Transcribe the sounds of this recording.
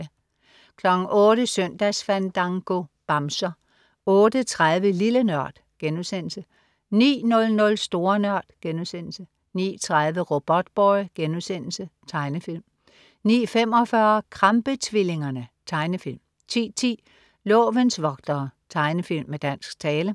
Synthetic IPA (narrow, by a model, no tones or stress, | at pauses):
kʰlɒ̽ɡ̥n̩ʔɔ̽ːɾ̥əsœn̰d̥æsfænd̥ɑ̈ŋɡ̥o̝b̥ɑ̈msɐ | ɔ̽ːd̥ət͡sʰʁaðˠʋəlilənɶɐ̰d̥ | ɡ̥enuðˠsen̰l̩sə | nḭːnɔ̽lnɔ̽lsd̥o̝ːɐnɶɐ̰d̥ɡ̥enusen̰l̩sə | nḭːt͡sʰʁaðˠʋəʁo̝b̥ɒ̽d̥̚b̥ɒɪɡ̥enuðˠsen̰l̩sət͡sʰɑ̈ɪnəfil̰m | nḭːfem̰ɒfɶɐkʰʁɑmb̥ət͡sʰʋile̝ŋɐnət͡sʰɑ̈ɪnəfil̰m | t͡sʰḭːt͡sʰḭː | lɔ̰̽ːʋənsʋɒ̽ɡ̥d̥ɐt͡sʰɑ̈ɪnəfil̰mːed̥æn̰sɡ̥t͡sʰɛːlə